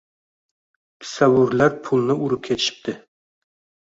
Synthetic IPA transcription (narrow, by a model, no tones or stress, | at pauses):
tʰɪ̥sawuɾlæɾpʰʊlˠnɪʔuɾup̚kʲʰet̪ʰɪ̥ʃɪ̥p̚t̪ʰɪ